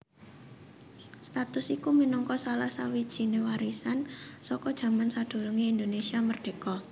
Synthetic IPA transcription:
st̪at̪ʊsikumənɔŋkɔsalahsawid̥ʒ̥i̤newaɾisansɔkɔd̥ʒ̥ä̤mansad̪̥o̤ɾuŋiind̪onesiamərd̥e̤kɔ

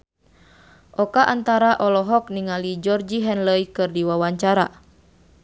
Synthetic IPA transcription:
ʔɔkaʔant̪aɾaʔɔlɔɦɔkniŋalid͡ʒɔrd͡ʒiɦɛnləikɨrdiwawaɲt͡ʃaɾa

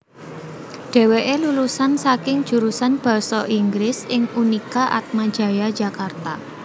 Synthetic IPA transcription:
ɖ̥e̤weʔelulusansakɪŋ̥ʒ̥ṳɾusanb̥ɔ̤sɔʔiŋɡɾɪsɪŋunikaʔa̰t̪̚mad̥ʒ̥ä̤jad̥ʒ̥a̤kart̪a

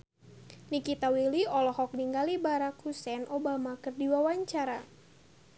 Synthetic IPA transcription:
nikit̪awiliɔlɔhɔk̚niŋɡalibaɾakhusɛnʔobamakɨrdiwawaɲt͡ʃaɾa

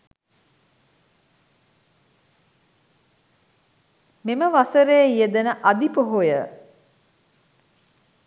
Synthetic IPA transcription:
meməʋasəɾejːijəd̪ənəʔad̪ipoɦojə

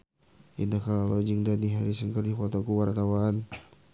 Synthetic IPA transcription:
ḭndakaalod͡ʒəŋdaniɦaɾisənkərdifɔt̪okuwart̪awan

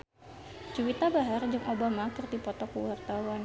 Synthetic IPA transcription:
t͡ʃuwit̪abaɦard͡ʒaŋʔobamakɨrdipɔt̪ɔkuwart̪awan

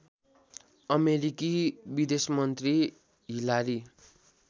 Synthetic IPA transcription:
ʌmeɾikibid̪esmʌnt̪ri | ɦilaɾi

